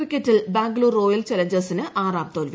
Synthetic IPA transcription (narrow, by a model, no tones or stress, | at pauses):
rikʲːetːilbaːŋɡluːroːjɐlt͡ɕɐlɐɲd͡ʑɐsinɨʔaːraːp̚t̪oːlʋi